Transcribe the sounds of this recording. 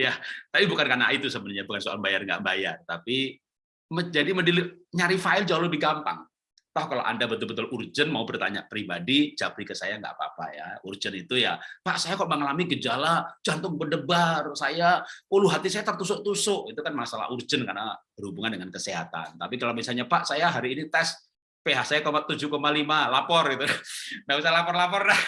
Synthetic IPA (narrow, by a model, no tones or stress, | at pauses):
jat̪apibukankana̰it̪usəbənɲabukansoʔa̰lmbajarŋɡa̰ʔmbajart̪api | məd͡ʒadimədiliɲaɾifaɪld͡ʒaaləbiɡampa̰ŋ | t̪ɔhkalo̰ʔa̰ndabət̪ʊlbət̪ʊlurd͡ʒənmaubərt̪a̰ɲa̰pɾibadit͡ʃapɾikəsajaŋɡa̰ʔpa̰pa̰ja̰urd͡ʒənit̪ujapaʔsajakɔʔməŋalamiɡəd͡ʒalad͡ʒant̪ʊŋbəndəbarsajauluɦat̪isajat̪ərt̪usʊʔt̪usʊʔit̪ukanmasala̰ɦurd͡ʒənka̰rnab̥ərhubuŋandəŋankəseɦa̰t̪a̰nt̪apikalobisalɲapaʔsajaɦaɾiːnit̪ɛs | peɦaʔsajakomat̪ud͡ʒukomalimalapɔrɡit̪uŋabis̬ajlapɔrlapɔrdah